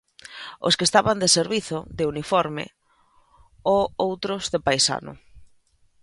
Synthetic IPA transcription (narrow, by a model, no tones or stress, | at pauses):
o̰skest̪aβand̪eseɾβiθʊd̪ɪunifɔɾmɪ̰ | oowt̪ɾʊzðepajsa̰nʊ̰